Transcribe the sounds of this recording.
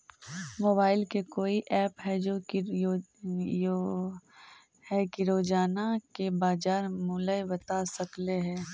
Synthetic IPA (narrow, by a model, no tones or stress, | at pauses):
moːbaːɪlkekoːiʔɛːpɦɛd͡ʒo | jo | hɛkiɾoːd͡ʒaːnakebaːd͡ʒaːɾmʊləjbɐt̪asɐkleɦɛː